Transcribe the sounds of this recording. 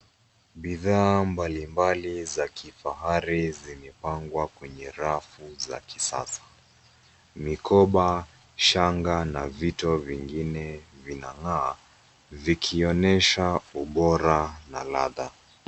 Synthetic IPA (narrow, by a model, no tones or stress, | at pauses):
ɓiðaːmbalimbalizakʰifaɦaɾizimɛpaŋɡwakwɛɲɛɾafuza̰ki̥sa̰sḁ | mikʰɔɓa | ʃaŋɡanavitɔviŋɡinɛvina̰ŋaː | vikʰiɔnɛʃauɓɔɾanala̰ða